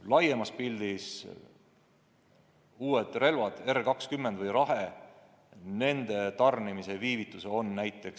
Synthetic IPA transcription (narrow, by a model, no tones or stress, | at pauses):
lɑjemɑspild̪is | uːed̪̥re̞lvɑd̪̥e̞rkɑkskymːend̪vɤjɾɑɦe | ne̞nd̪̥e̞t̪ɑrnimise̞viːvit̪ːˑuseo̞nːæjt̪ːˑe̞ks